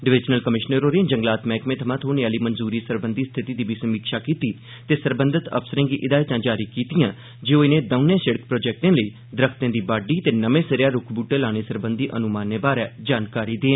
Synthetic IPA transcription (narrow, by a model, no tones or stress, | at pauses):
ɖɪʋɪd͡ʒnəlkəmɪʃnəɾoːɾẽd͡ʒəŋɡlaːt̪mɛ̃ːkmẽːt̪ʰəmãt̪ɦoːneaːliːmənzuːɾiːsəɾbənd̪iːst̪ʰɪt̪iːd̪iːbiːsəmiːkʃaːkiːt̪iː | t̪eːsəɾbənd̪ət̪ə̰psəɾẽːɡiːʔɪd̪aːɪt̪ãːd͡ʒaːɾiːkiːt̪ijãː | d͡ʒeːoːɪnẽːd̪əʊnãːsəɽəkpɾoːd͡ʒɛːk̚ʈẽːləiː | d̪ɾəkʰt̪ẽːd̪iːbaːɖiːt̪eːnəmẽːsəɾjaːɾʊkʰbuːʈeːlaːñeːsəɾbənd̪iːʔənʊmaːnːeːbaːɾɛːd͡ʒaːnkaːɾiːd̪eː